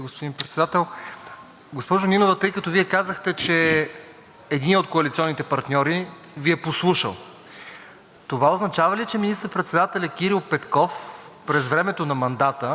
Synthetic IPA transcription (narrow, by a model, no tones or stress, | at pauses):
ɡospod̪inpɾɛt̪sɛd̪at̪ɛlˠ | ɡospɔʒoninovət̪ɤjkət̪ɔviɛkazəxt̪ɛt͡ʃɛː | d̪inot̪koɐlit̪siɔnːit̪ɛpɐɾt̪nʲɔɾi | viɛposlˠuʃə̰lˠ | t̪ovaoznɐt͡ʃavɐlit͡ʃɛminist̪əɾpɾɛt̪sɛd̪at̪ɛlʲɐk̟iɾilˠpɛt̪kɔf | pɾɛzvɾɛmɛt̪onɐmɐnd̪at̪ə